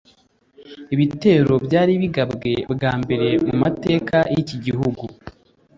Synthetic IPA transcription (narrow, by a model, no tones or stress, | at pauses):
iβite̞ːɾo̞bɟaːɾiβiɡabɡe̞bɡaːmbe̞ɾe̞mumate̞ːkajiciɟiɦuɡu